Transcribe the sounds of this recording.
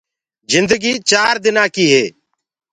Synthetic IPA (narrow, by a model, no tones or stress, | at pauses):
zɪnd̪əɡiːt͡ʃaːɾd̪ɪnãːkiːɦeː